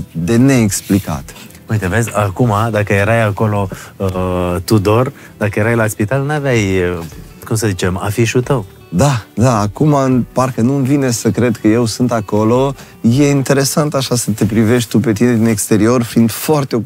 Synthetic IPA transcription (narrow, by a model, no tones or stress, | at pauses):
d̪e̞ne̞ːksplika̰t̪ | ujt̪eve̞zʲakumad̪akəje̞ɾajako̞lo̞ət̪ud̪o̞r | d̪akəje̞ɾajlaspit̪alnavjajə | kumsəzit͡ʃe̞ma̰fiʃut̪əw | d̪ad̪aːkumaparkənuɨnvine̞səkɾe̞d̪kəje̞wsɨnt̪ako̞lo̞ | je̞int̪e̞ɾe̞sant̪aʃasət̪e̞pɾive̞ʃʲt̪upe̞t̪ine̞d̪ine̞kst̪e̞ɾio̞rfind̪foart̪eo